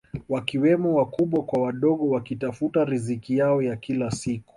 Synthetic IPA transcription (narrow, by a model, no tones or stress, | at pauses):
wakiwɛmɔwakuɓwakwawaɗɔɠɔwakitafutaɾizikijaɔjakilasiku̥